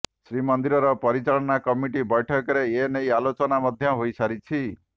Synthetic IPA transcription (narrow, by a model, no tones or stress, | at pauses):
sɾimɔnd̪iɾɔɾɔpɔɾit͡ʃaɭɔnakɔmiʈibɔjʈʰɔkɔɾeenejalot͡ʃɔnamɔd̪ʱjɔɦojsaɾit͡ʃʰi